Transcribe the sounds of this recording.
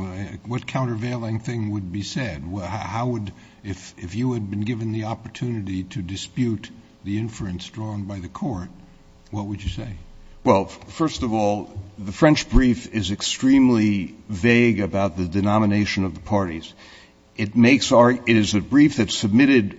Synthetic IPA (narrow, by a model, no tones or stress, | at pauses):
wʌt̚kʰãʊ̃ñə˞veɪlˠɪ̃ŋθɪ̃ŋwəd̚bisɛd̚whahaʊwəɾ | ɪfɪfjɨːd̚bɨ̃n̩ɡɪvɨ̃nðiɑpə˞tʰʉnɨɾiɾɨdɨspjʉt̪ | ðiɪ̃ɱflɨ̃nsdɹɔ̃nbaɪðɨkʰɔɹt̚ | wʌt̚wəd͡ʒɨseɪwɛlˠfɜ˞stʌvɔlˠðɨfɹɛ̃nt͡ʃb̥ɹifɪzɨkstɹ̥ĩmliveɪɡɨbaʊt̪̚ðɨdɨnɑməneɪʃɨ̃nʌvðəpʰɑɹɾḭz | ɨt̚meɪksɑɹɨɾɨzɨbɹifðɨtsɨb̚mɪɾɪd̚